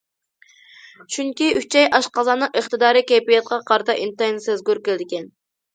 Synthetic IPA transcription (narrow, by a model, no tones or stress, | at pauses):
t͡ʃʰyŋkʲiyt͡ʃʰɛjʔɑʃqʰɑzɑːnɨŋʔəχt̪ɨd̪ɑːɾɨkʲɛjpijɛt̪̚qɑqʰɑɾɨt̪ʰɑʔint̪ɑjnsezɡʲyɾkʲɪlɪd̪ɪkʲɛn